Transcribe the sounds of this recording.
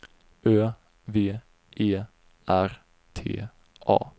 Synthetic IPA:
ʔøː | veː | ʔeː | ʔæɾ | t̪ʰḛː | ʔɑ̰ː

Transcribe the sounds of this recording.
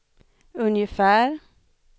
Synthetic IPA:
ɵnjəfæːɾ

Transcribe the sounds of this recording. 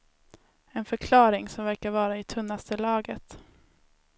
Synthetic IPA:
ɛnfœɾkʰlɑːɾɪŋsɔmvæɾkaɾvɑːɾaɪt̪ʰɵnːast̪əlɑːɡət̪

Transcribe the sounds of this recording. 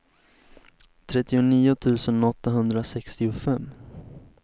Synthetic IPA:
t̪ʰɾɛt̪ːɪʊniːʊt̪ʰʉ̟ːsənɔt̪ːaɦɵnd̪ɾasɛkst̪ɪʊfɛmː

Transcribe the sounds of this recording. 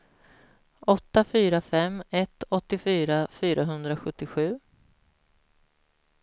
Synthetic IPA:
ɔt̪ːafyːɾafɛmɛt̪ɔt̪ːɪfyːɾafyːɾʔaɦɵnd̪ɾaɧɵt̪ːɪɧʉ̟ː

